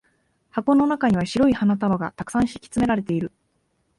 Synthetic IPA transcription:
hako̞no̞nakaɲ̟iβaɕiɾo̞ihanat̪̬abaɡa̰t̪akɯ̥sãɰ̃ɕi̥kʲi̥t͡sɨme̞ɾaɾe̞t̪e̞iɾɯ̟

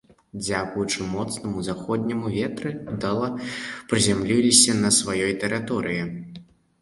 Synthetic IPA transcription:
d͡zʲakujut͡ʂɨmɔt̪snɐmuzaxɔd̪ʲnʲimuvʲɛt̪ɾɨd̪ɐlˠɐpɾɨzʲamlʲilʲisʲɐnɐsvajɔjt̪ɛɾɨt̪ɔɾɨji

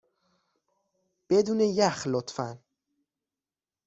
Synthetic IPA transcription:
b̥ed̪uːnejæxlot̪fæn

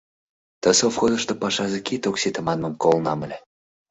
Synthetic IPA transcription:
t̪ə̆sofxozəʃt̪opɑʃɑzekit̪oksit̪ə̆mɑnməmkolnɑməlʲe

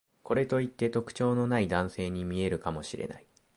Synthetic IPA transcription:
ko̞ɾe̞t̪o̞it̪ːe̞t̪o̞kɯ̟̥t͡ɕo̞ːno̞naid̪ãɰ̃se̞ːɲ̟imʲie̞ɾɯ̟kamo̞ɕiɾe̞̰na̰i

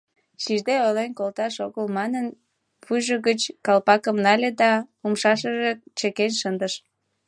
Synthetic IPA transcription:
ʃiʒd̪eojlenkolt̪ɑʃoɣəlmɑnən | pʰujʒəɣət͡ɕkɑlpɑkəmnɑlʲed̪ɑumʃɑʃəʒet͡ɕəkenʃənd̪əʃ

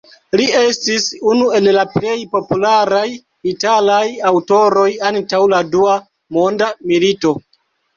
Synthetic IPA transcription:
lie̞stisunue̞llaple̞jpo̞pulaɾaj | italajawto̞ɾo̞jantawladua | mo̞ndamilito̞

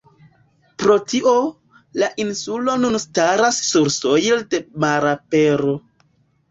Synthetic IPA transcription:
pɾo̞tiʔo̞ | laʔinsulo̞nunstaɾasːuɾso̞jlde̞maɾapeɾo̞

